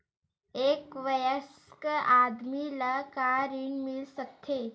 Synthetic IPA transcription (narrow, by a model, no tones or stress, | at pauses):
eːkʋɐjəskaːd̪milakaːɾiɳmɪlsək̚t̪ʰeː